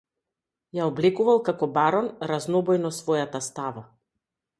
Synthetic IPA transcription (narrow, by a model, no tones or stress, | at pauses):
jaɔblɛkuvalˠkakɔbaɾɔnɾaznɔbɔjnɔsvɔjat̪ast̪ava